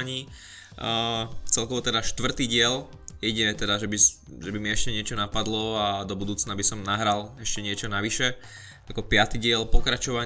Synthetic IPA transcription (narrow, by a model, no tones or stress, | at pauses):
ɲiː | t͡sɛlkɔʋɔt̪ɛd̪aʃt̪ʋr̩t̪iːɟɪɛl | ɛɟɛt̪ɛd̪aʒɛbis | ʒɛbimiɛʃcɛɲɪɛt͡ʃɔnapad̪lɔad̪ɔbud̪uːt͡snabisɔmnaɦɾalɛʃcɛɲɪɛt͡ʃɔnaʋiʃɛ | akɔpɪat̪iɟɪɛlpɔkɾat͡ʃɔʋa